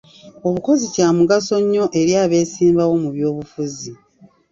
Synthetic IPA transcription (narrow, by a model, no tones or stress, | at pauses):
o̞βuko̞zicaːmuɡaso̞ɲːo̞ʔe̞ɾjaːβe̞ːsiːmbawo̞muβjo̞ːβufuzi